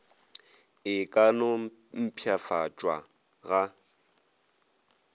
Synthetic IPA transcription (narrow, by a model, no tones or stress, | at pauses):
ɪkʼanom̩pʰjafat͡ʃʼwa | ɣa